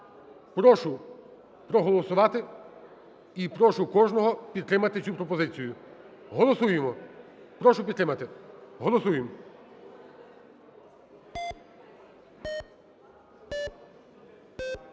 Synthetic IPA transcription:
pɾɔʃʊ | pɾɔɦɔlˠɔsʊʋɑt̪ɪ | ipɾɔʃʊkɔʒnɔɦɔpʲid̪t̪ɾɪmɐt̪ɪt͡sʲupɾɔpɔzɪt͡sʲijʊ | ɦɔlˠɔsujemɔ | pɾɔʃʊp̬ʲid̪t̪ɾɪmɐt̪ɪɦɔlˠɔsujem

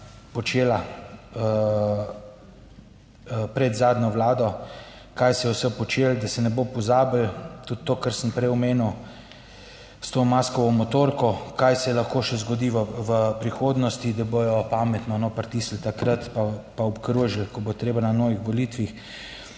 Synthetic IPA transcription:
pɔt͡ʃeːlaə | pɾɛd̪zaːd̪ɲɔʋlaːd̪ɔ | kajsjɛwsəpɔt͡ʃeːld̪asɛnɛbopɔzaːbəlt̪ut̪ːoːkəɾsəmpɾɛjɔmeːnuw | st̪oːmaskɔʋɔmɔt̪oːɾkɔkajsɛlaxkoːʃɛzɡɔd̪iːʋəʋəpɾixoːd̪nɔst̪id̪abojɔpaːmɛt̪nɔnopɾt̪iːsl̩t̪akɾət̪papaɔpkɾuʒilkɔbot̪ɾeːbananɔːʋixʋɔliːt̪ʋix

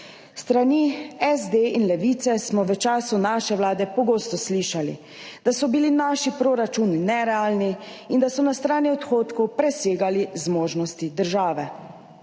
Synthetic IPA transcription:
st̪ɾaniɛzd̪einlɛʋiːt̪sɛsmɔʋət͡ʃaːsunaːʃɛʋlaːd̪ɛpɔɡoːst̪ɔsliʃalḭ | d̪̥asɔbilinaːʃipɾoːɾat͡ʃuninɛɾɛaːlniind̪asɔnast̪ɾaːniɔt̪xoːt̪kɔwpɾɛseːɡalizmoːʒnɔst̪id̪əɾʒaːʋɛ

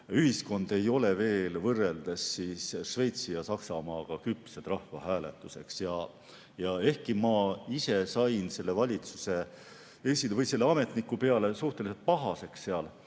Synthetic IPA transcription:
yhisko̞nd̪̥e̞jo̞le̞ve̞ːlvɤrːe̞ld̪̥ɑsːiːsʃve̞jt̪sijɑsɑksɑmɑːɡ̥ɑkypsed̪̥rɑhvɑɦæːle̞̰t̪ːˑuse̞ksjɑ | jɑe̞hkimɑise̞sɑjnse̞lːe̞vɑlʲit̪suse̞ | esilvɤjse̞lːeɑme̞t̪nikːupe̞ɑle̞suht̪e̞lise̞lt̪̚pɑɦɑse̞ksːe̞ɑl

